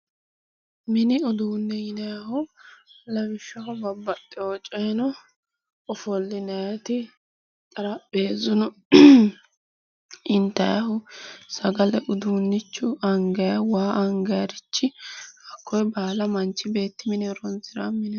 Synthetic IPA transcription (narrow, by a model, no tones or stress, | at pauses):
mɪnɪʊd̪uːnːɛjɪnɐjɐhʊ | lɐbɪʃːɐhɔbɐbːɐt̪ʼːɪɔt͡ʃʼeːnɔ | ɔfɔlːɪnɐjɐt̪ɪ | kʼɐɾɐbeːzʊnʊ | ɪnt̪ːɐjɐhʊsɐɡɐlɛʔʊd̪uːnːɪt͡ʃːʊɐŋɡɐjɐwaːʔɐŋɡɐjɐɾɪt͡ʃːɪɐkːɔjbaːlɐmɐnt͡ʃːɪbe̞ːt̪ːɪmɪnɛɾɔnzɪɾɐmɪnɛ